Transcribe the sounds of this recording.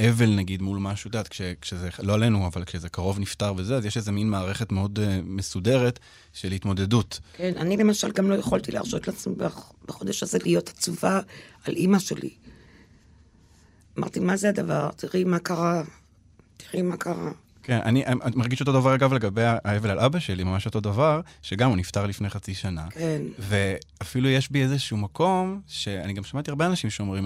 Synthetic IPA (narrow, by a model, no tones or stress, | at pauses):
ʔeve̞lnaɡidmulmaʃut̪at̪kʃekʃezelo̞ale̞nuavalkʃeze̞kaʁo̞vnift̪aʁvezeazjeʃezeminmaːʁe̞χe̞tmeo̞dmesude̞ʁet | ʃelhitmo̞de̞dutkena̰nilemaʃalɡamlo̞jeχoltilea̰ʁʃo̞t̪laːt͡smibab̥aχo̞d̪aʃhazelijo̞tḁt͡suvaalʔimaʃe̞̰lḭ | ama̰ʁt̪imazead̪ava̰ʁt̪ʰiʁimakaʁa | ti̥ʁimakaʁa̰ | ke̞nʔa̰niʔaamaʁɡiʃot̪̬o̞d̪avaʁaɡavle̞ɡabe̞jaʔaevelalʔabaʃe̞limamaʃo̞t̪o̞d̪avaʁʃeɡamunift̪aʁlifne̞jχat͡siʃana̰kenve̞afilujeʃbiezeʃuumakʰo̞mʃe̞a̰niɡamʃamat̪iaʁbeanaʃimʃeomʁim